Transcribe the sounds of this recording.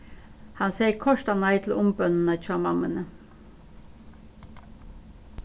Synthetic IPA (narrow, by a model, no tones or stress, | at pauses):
hɑnseɪkʰɔʂt̪anaɪt̪ʰl̩ʊmbœnənət͡ʃʰɑmɑmənə